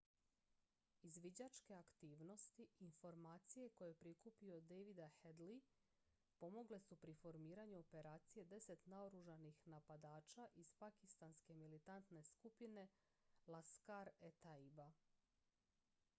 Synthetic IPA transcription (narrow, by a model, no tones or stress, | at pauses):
izʋid͡ʑat͡ʃke̞akt̪iːʋno̞st̪iinfo̞ɾmaːt̪sije̞ko̞je̞pɾikupio̞d̪ejʋid̪ahed̪li | po̞mo̞ɡle̞supɾifo̞ɾmiːɾaɲuope̞ɾaːt̪sije̞d̪e̞se̞t̪naoɾuʒanixnapad̪aːt͡ʃaʔiz̥pakist̪anske̞milit̪ant̪ne̞skupine̞ | laskaɾet̪aiba